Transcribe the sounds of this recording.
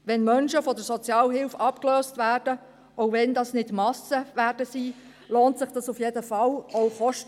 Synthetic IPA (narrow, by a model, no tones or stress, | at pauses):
ʋɛnmœnʃəfɔdəɾsɔt͡sjɑːlɦɪlfɑpkløːstvæːrd̥ə | ʔoʊvɛndɑsnɪtmɑsəvæːd̥əsiː | loːntsɪχd̥ɑsufjedəfɑloʊχɔʃt